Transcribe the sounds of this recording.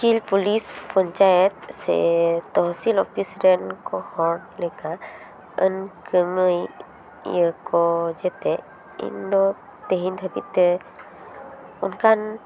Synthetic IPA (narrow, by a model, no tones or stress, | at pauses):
kilpulispɔɲt͡ʃajɛt̪̚sɛ̰t̪ɔɦsilɔpʰisɾɛnkɔhɔɽlɛka | ə̰nkəməj | əkɔd͡ʒɛt̪ɛ | ḭndɔ | t̪eɦind̪ʰʱəbḭt̪ɛ | unkan